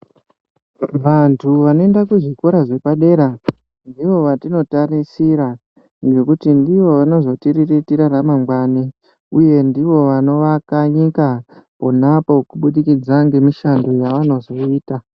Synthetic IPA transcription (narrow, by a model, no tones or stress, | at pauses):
ʋantʰuʋanoendakuʐiko̞ɾaʐe̞paɗe̞ɾa | ndiʋo̞ʋatino̞tarisiɾa | nɡe̞kutindiʋo̞ʋano̞zo̞tiriritiɾaramaŋɡwani | uje̞ndiʋo̞ʋano̞ʋakaɲikapo̞napo̞kuɓuɗikid͡zaŋɡe̞miʃando̞jaʋano̞zo̞iːta